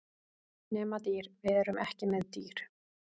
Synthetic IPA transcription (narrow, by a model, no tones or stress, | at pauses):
nɛːmat̪iːɾvɪðɛɾʏmʔɛhcɪmɛðt̪iːɾ̥